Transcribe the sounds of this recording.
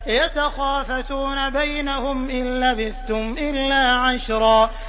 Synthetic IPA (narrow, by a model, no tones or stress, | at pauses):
jat̪axaːfat̪uːnabajnahʊmʔɪnlabɪθt̪ʊmʔɪlːaːʕaʃɾˤɑː